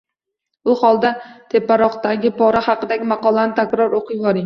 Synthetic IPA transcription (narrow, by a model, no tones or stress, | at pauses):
ʊhɒlˠd̪at̪ʰe̞pːaɾɒqt̪aɡʲɪpʰɒɾahɑqɨd̪aɡʲɪmɑqɒlˠanɪt̪ʰakʲɾɒɾoqʰɨjvɒɾɪŋ